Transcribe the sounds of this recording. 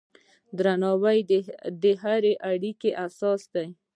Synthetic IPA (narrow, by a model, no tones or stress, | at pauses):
d̪ɾanɑwajd̪əɦaɾeʔaɽikeʔasɑsd̪aj